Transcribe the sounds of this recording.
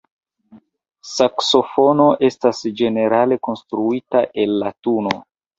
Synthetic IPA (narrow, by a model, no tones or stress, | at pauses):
sakso̞fo̞no̞ʔe̞stasd͡ʒe̞ne̞ɾale̞ko̞nstɾuitaʔe̞lːatuno̞